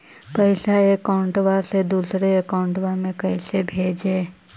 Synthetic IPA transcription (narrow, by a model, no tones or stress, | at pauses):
pəɪsaeːkaʊɳʈʋased̪uːsɾeəkaʊ̃ɳʈʋamẽkəɪsebʱeːd͡ʒeː